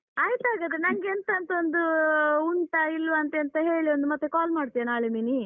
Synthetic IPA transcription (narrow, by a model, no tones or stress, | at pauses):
aːjt̪aːɡɐd̪ɾenɐŋɡent̪ɐnt̪ɐond̪uuɳʈɐilʋɐnt̪ent̪ɐɦe̞ːɭio̞nd̪umɐt̪ːekaːlmaːɽ̚t̪ijɐnaːɭemini